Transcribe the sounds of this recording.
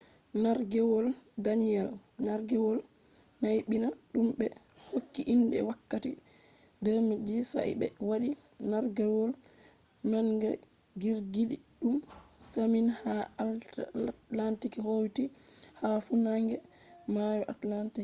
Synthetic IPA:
naɾɡɛwɔldanijɛlnaɾɡɛwɔl | najɓinaɗumbɛ | hokːiʔindɛ̰wakːati | dɛɾmid͡ʒisa̰jbɛ̰waɗi | naɾɡɛwɔl | manɡɛ̰ | ɡiɾɡiɗiɗumsaminhaaltlantikihowtihafunaŋɡɛ | majɔʔatlantik

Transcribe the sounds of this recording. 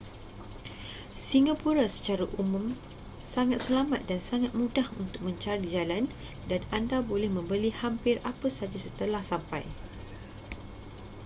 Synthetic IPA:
siŋapuɾasə̥t͡ʃaɾaʔumũm | saŋat̪̚səlamat̪̚dansaŋat̪̚mũdahunt̪ʊk̚mə̃ɲt͡ʃaɾid͡ʒalan | danandabolɛhmə̃mbəlihampɪrapəsad͡ʒasət̪əlahsampaj

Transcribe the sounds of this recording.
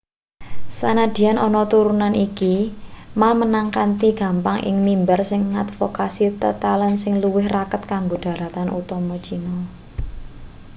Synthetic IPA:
sanad̪̥i̤anʔɔnɔt̪uɾunanʔikimamənaŋkant̪iɡ̥a̤mpaŋʔɪ̰ŋmimbərsɪŋːa̰t̪fokasit̪ə̰t̪alənsɪŋluwɪhrakət̪̚kaŋɡoɖ̥a̤ɾat̪anʔṵt̪ɔmɔ̥t͡ʃinɔ

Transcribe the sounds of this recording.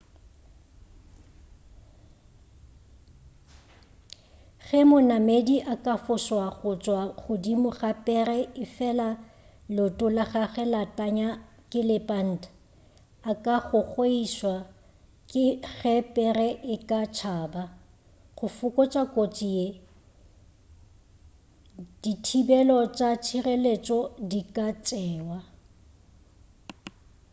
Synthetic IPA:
ɣɛmʊnamediʔakʼafʊswaɣʊt͡ʃʼwaχʊdimʊχapʼɛrɛɪfɛla | lʊtʼʊlaɣaɣɛlatʼaɲakʼɪlɪpʼan̩ːtaː | kʼaχʊk͡xweiswa | kʼɪɣɛpʼɛrɛʔɪkʼat͡ʃʰaːba | χʊfʊkʼɔt͡ʃʼakʼot͡ʃʼie | d̥itʰibɛlɔt͡ʃʼat͡ʃʰirelet͡ʃʼɔdikʼat͡ʃʼɛːwa

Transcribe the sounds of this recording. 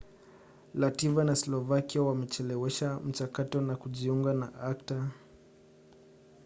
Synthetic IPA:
lativanaslɔvakiawamɛt͡ʃɛlɛwɛʃam̩t͡ʃakatɔnakuʄiuŋɡanaakta

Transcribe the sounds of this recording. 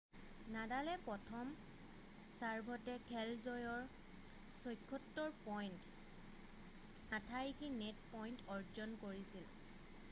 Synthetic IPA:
nadalɛpɹɔtʰɔm | saɹbʱɔtɛkʰɛlzɔjɔɹ | sɔjkʰːɔtːɔɹpɔjnt | atʰajkʰinetpɔjntɔɹd͡ʒɔnkoɹisil

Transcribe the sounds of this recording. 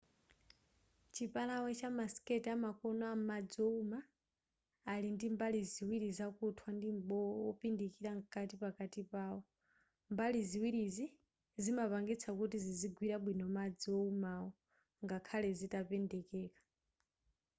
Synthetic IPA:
t͡ʃʰipalawɛt͡ʃamaskɛtiamakɔnɔamad͡ziɔumaː | lindimbaliziwiɾizakutʰwandim̩ɓɔɔpindikiɾaŋkatipakatipaːɔ | mbaliziwiɾizi | zimapaŋɡit͡sʰakutiziziɡwiɾaɓwinɔmad͡ziɔumawɔ | ŋɡakʰalɛzitapɛndɛkɛːkḁ

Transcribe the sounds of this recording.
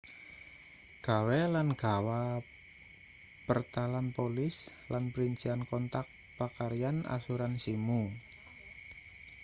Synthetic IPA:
ɡ̥awɛlanɡ̥awa | pərt̪alanpolɪs | lanpəɾiɲt͡ʃiankɔnt̪ak̚ | pakaɾiana̰suɾansimu

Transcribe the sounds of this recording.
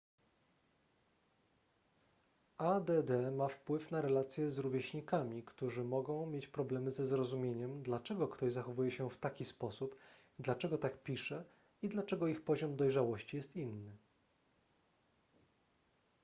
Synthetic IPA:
ad̪ɛd̪ɛmafpwɘfnaɾɛlat̪sʲjɛzɾuvʲjeɕɲikamʲikt̪uʐɘmɔɡɔ̃w̃mʲjet͡ɕpɾɔblɛmɘzɛzɾɔzumʲjeɲɛmd̪lat͡ʂɛɡɔkt̪ɔʑzaxɔvujɛɕɛft̪akʲispɔsup | d̪lat͡ʂɛɡɔt̪akpʲiʂɛ | id̪lat͡ʂɛɡɔixpɔʑɔmd̪ɔjʐawɔɕt͡ɕijɛst̪inːɘ

